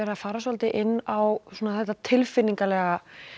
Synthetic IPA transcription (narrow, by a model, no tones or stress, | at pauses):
ɛɾafaːɾasɔlt̪ɪʔɪnːawsuːnaθɛht̪ːat̪ʰɪlfɪnːiŋkalɛɣa